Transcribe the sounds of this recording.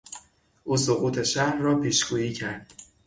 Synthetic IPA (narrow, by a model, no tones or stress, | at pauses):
ʔuːsoɣuːt̪ʰe̞ʃæhɾːɒːpʰiːʃɡuːjiːcʰæɾd̪̥